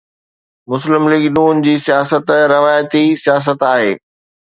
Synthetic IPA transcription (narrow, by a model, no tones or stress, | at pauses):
mʊslɪmlɪɡnuːnd͡ʑiːsijaːsət̪ɾɐʋaːjt̪isijaːs̬ət̪aːɦḛː